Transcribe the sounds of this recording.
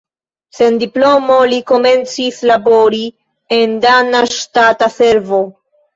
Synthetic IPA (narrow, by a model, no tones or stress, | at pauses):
se̞ndiplo̞mo̞liko̞me̞nt͡sislabo̞ɾi | e̞ndanaʃtatase̞ɾvo̞